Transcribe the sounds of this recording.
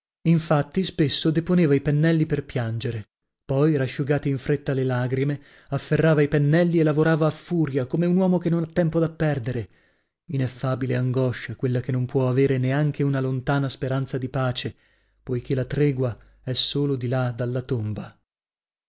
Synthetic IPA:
iɱfat̪ːispesːod̪eponeːvaipenːɛlːiperpjand͡ʒeɾe | pɔjɾaʃːuɡaːt̪eiɱfɾet̪ːalelaɡɾime | afːerːaːvaipenːɛlːielːavoɾaːvaːfːuːɾjakomeunwɔːmokenːonat̪ːɛmpod̪apːɛrd̪eɾe | inefːaːbileaŋɡɔʃːakwelːakenːompwɔaveːɾeneaŋkʰeunalont̪aːnaspeɾant̪sad̪ipaːt͡ʃe | pojk̟ʰelat̪ɾɛɡwa | ɛsːoːlod̪ilad̪alːat̪omba

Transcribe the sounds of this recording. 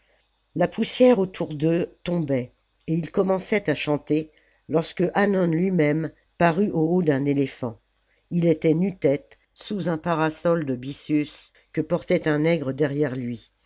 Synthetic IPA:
lapusjɛʁot̪ʰuʁd̪øt̪ɔ̃bɛ | eilkɔmɑ̃sɛt̪aʃɑ̃t̪e | lɔʁskəʔanɔnlɥimɛm | paʁyʔood̪ɛ̃nelefɑ̃ | ilet̪ɛnyt̪ɛt̪ | suzɛ̃paʁasɔld̪əbisjys | kəpɔʁt̪ɛt̪ɛ̃nɛɡʁəd̪ɛʁjɛʁlɥi

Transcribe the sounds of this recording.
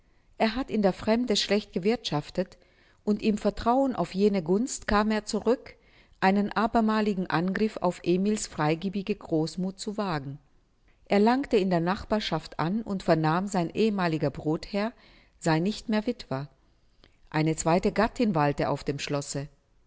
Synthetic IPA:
ʔeːɐɦatɪndeːɐfʁ̥ɛmdəʃlɛçt̚ɡ̥əvɪɐtʃaftət | ʔʊntʔɪmfɛɐtʁ̥aʊənʔa̰ʊfjeːnəɡʊnstkʰaːmeːɐt͡suʁʏk | ʔaɪnənʔaːbɐmaːlɪɡŋ̩ʔanɡʁɪfa̰ʊfʔeːmiːlsfʁ̥aɪɡiːbɪɡəɡʁoːsmuːt̚t͡suvaːɡŋ̩ | ʔeːɐlaŋktəɪndeːɐnaχb̥aːɐʃaftʔa̰nʊntfɛɐnaːmzaɪnʔeːəmaːlɪɡɐbʁoːthɛɐ | z̥aɪnɪçtmeːɐvɪtv̥ɐ | ʔaɪnət͡sv̥aɪtəɡatʰɪnvaltəʔa̰ʊfd̥eːmʃlɔsə

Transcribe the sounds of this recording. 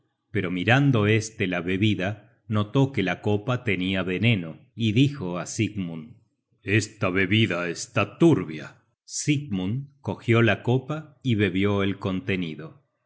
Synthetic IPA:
pe̞ɾo̞miɾand̪o̞e̞st̪elaβe̞βiða | no̞t̪o̞ke̞lako̞pat̪e̞niaβe̞ne̞no̞iðixo̞asiɡmun | est̪aβe̞βiðaest̪at̪uɾβja̰ | siɡ̚muŋko̞xjo̞lako̞paiβe̞βjo̞elko̞nt̪e̞niðo̞

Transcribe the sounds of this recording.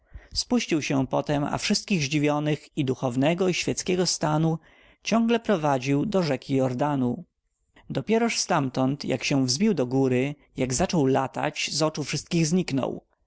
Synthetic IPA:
spuɕt͡ɕiwɕɛpɔt̪ɛma̰fʂɘst̪̚kʲiɣʑd͡ʑivʲjɔnɘxid̪uxɔvnɛɡɔiɕfʲjɛt̪skʲɛɡɔst̪anu | t͡ɕɔ̃ŋɡlɛpɾɔvad͡ʑiwd̪ɔʐɛkʲijɔɾd̪anu | d̪ɔpʲjɛɾɔʂst̪amt̪ɔnt̪ja̰kɕɛvzbʲiwd̪ɔɡuɾɘ | jaɡzat͡ʂɔwlat̪a̰t͡ɕzɔt͡ʂufʂɘst̪kʲiɣzɲiknɔ̰w

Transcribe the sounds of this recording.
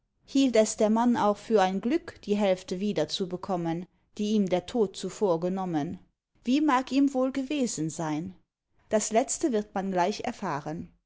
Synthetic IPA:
hiːltɛsd̥eːɐmana̰ʊxfyːɐaɪnɡlʏkd̥iːɦɛlftəviːdɐt͡subəkʰɔmən | d̥iːiːmdeːɐtʰoːt̚t͡sufoːɐɡənɔmən | v̥iːmaːkiːmvoːlɡəveːzən̩zaɪn | d̥aslɛt͡stəvɪɐtmanɡlaɪçɛ̰ɐfaːʁən

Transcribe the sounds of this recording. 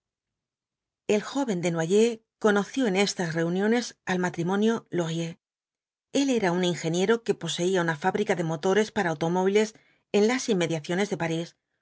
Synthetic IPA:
e̞lxo̞βe̞nd̪e̞nwaʝe̞ko̞no̞θjo̞e̞ne̞st̪asre̞unjo̞ne̞salmat̪ɾimõ̞njo̞lo̞ɣje̞ | e̞le̞ɾauniŋxe̞nje̞ɾo̞ke̞po̞se̞iaunafaβɾikaðe̞mo̞t̪o̞ɾe̞spaɾaːwt̪o̞mo̞β̞ile̞s | e̞nlasimːe̞ðjaθjo̞ne̞zðe̞paɾis

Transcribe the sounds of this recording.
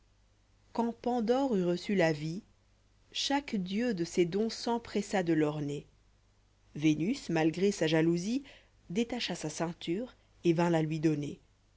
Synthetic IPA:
kɑ̃pɑ̃d̪ɔʁyʁəsylavi | ʃakd̪jød̪əsed̪ɔ̃sɑ̃pχɛsad̪əlɔʁne | venysmalɡʁesaʒaluzi | d̪et̪aʃasasɛ̃t̪yːʁ | evɛ̃lalɥid̪ɔne

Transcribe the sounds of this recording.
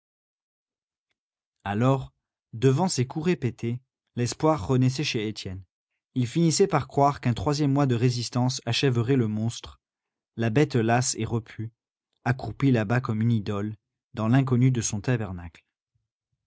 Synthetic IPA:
alɔʁ | d̪əvɑ̃sekuʁepet̪ʰe | lɛspwaʁːənɛs̬ɛʃeːt̪jɛn | ilfinisɛpaʁkχwaʁkɛ̃t̪χwazjɛmːwad̪əʁezist̪ɑ̃saʃɛvəʁɛləmɔ̃st̪χ | labɛt̪laseʁəpʰy | akχuupilabakɔmynid̪ɔl | d̪ɑ̃lɛ̃k̬ɔnyd̪əsɔ̃t̪abɛʁnakl

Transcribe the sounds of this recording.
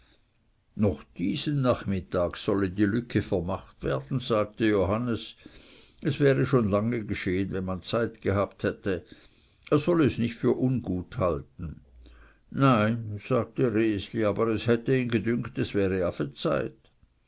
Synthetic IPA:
nɔχd̥iːz̥ənnaχmɪtaːksɔlədiːlʏkʰəfɛɐmaχtv̥ɛːɐd̥n̩z̥aːk̚təjoɦanəs | ʔɛsv̥ɛːʁəʃoːnlaŋəɡəʃeːənvɛnmant͡saɪtɡəɦaːpthɛtə | eːɐz̥ɔləːsnɪçtfyːɐʔʊnɡuːthaltn̩ | naɪnz̥aːɡ̚təʁeːsliaːbəʁɛshɛtəiːnɡədʏŋktɛsv̥ɛːʁəafət͡saɪt

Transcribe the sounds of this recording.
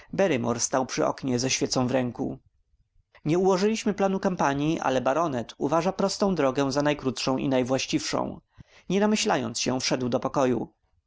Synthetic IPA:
bɛɾɘmɔɾst̪awpʂɘʔɔ̰kɲɛzɛɕfʲjɛt̪sɔ̃w̃vɾɛŋkṵ | ɲɛuwɔʐɘlʲiɕmɘplanukampaɲjiʔa̰lɛbaɾɔnɛt̪ṵvaʐapɾɔst̪ɔ̃w̃d̪ɾɔɡɛw̃zanajkɾut̪ʂɔ̃w̃ʔḭnajvwaɕt͡ɕifʂɔ̰̃w̃ | ɲɛnamɘɕlajɔ̰nt̪sɕɛfʂɛd̪wd̪ɔpɔkɔju

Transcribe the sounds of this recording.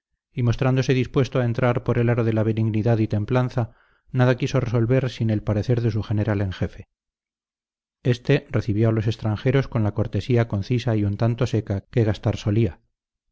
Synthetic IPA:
imo̞st̪ɾand̪o̞se̞ðispwe̞st̪oae̞nt̪ɾaɾpo̞ɾe̞laɾoðe̞laβe̞niɣniðaðit̪e̞mplanθa | naðakiso̞reso̞lβe̞ɾsine̞lpaɾe̞θe̞ɾðe̞s̬uxe̞ne̞ɾale̞ŋxe̞fe̞ | e̞st̪e̞re̞θiβjo̞alo̞se̞st̪ɾaŋxe̞ɾo̞sko̞nlako̞ɾt̪e̞siako̞n̟θisaiunt̪ant̪o̞se̞kake̞ɣ̞ast̪aɾso̞lia

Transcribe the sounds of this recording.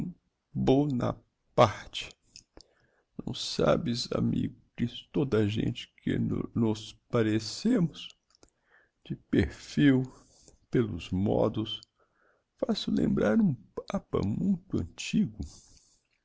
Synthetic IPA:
bonɐ | paɾt͡ʃɪ̥ | nɐ̰̃w̃sabɪza̰mḭɡʊd͡ʒɪst̪od̪ɐʒḛ̃nt͡ʃɪ̥kʰɪnɔspaɾesẽmʊs | d͡ʒɪpeɾfiw | pelʊzmɔd̪ʊs | fasʊlẽmbɾaɾũpapɐ̰mũj̃t̪ʊɐ̃nt͡ʃiɡʊ

